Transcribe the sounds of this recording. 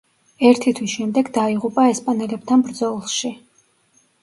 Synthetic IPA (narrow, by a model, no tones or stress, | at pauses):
ɛɾt̪ʰit̪ʰwisʃɛmd̪ɛɡd̪aiʁupʼaɛspʼanɛlɛb̚t̪ʰanbɾd̪zɔlˠʃi